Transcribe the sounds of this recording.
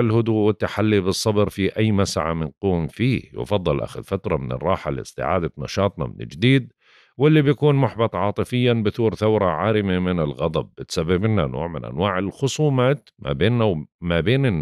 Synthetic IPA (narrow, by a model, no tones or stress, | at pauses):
ɪlhʊd̪uːʔwɪt̪ːaħalːibɨsˤːɑbɾfiʔajːmasʕa̰mɪnquːmfiːhjʊ̰fɑðˤːɑlʔa̰xʊðfat̪ɾˤɑmɪnɪ̰rˤːɑːħalɪ̰st̪ɪ̰ʕa̰ːd̪anɑ̰ʃɑːt̪ˤnɑ̰mɪ̰nɪ̰ld͡ʒd̪iːd̪̚ | wɪlːibjakuːnmʊħbɑt̪ˤʕɑːt̪ˤɨfɪjːanbɪθuːɾθawɾˤɑʕaːɾɪmemɪnɪlɣɑd̪ˤɑb̚ːɪt̪sabːɪbɪnːano̰ːʕmɪnʔa̰nwaːʕɪlxʊsˤuːmaːt̪ma̰beːnːamabeːnɪnː